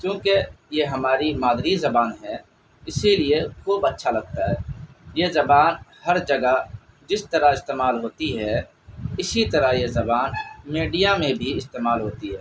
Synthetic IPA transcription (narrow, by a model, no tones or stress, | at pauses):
kjũːkejeɦəmaːɾimaːd̪ʱɾizəbaːnɦɛ | ɪsiliekʰuːbətːʃʰalɐɡ̚t̪aɦɛːjezəbaːnhəɾd͡ʒəɡə | d͡ʒɪst̪əɾaɪst̪eːmaːlɦoːt̪iɦɛ | ɪsit̪əɾajezɐbaːnmeːɖijamẽbʱiɪst̪eːmaːlɦoːt̪iɦɛː